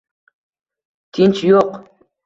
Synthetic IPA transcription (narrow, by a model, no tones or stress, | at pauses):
t̪ɪnt͡ʃjoq